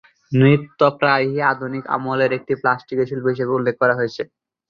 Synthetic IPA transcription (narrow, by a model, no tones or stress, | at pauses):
nɾit̪ːopɾajɦiad̪ʱunika̰moleɾek̚ʈiplasʈikeʃilpoɦiʃebeulːek̚ːɔɾaɦojet͡ɕʰe